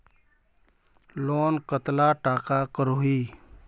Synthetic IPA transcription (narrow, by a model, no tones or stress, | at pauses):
loːnkət̪laʈaːkakəɾoiː